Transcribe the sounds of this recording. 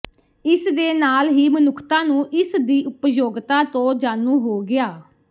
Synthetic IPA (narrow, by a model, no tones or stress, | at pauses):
ɪsd̪eːnaːlɦiːmənʊkʰt̪ãːnũːʔɪsd̪iːʔʊpjoːɡt̪ãːt̪õːd͡ʒaːnũːɦoːɡɪaː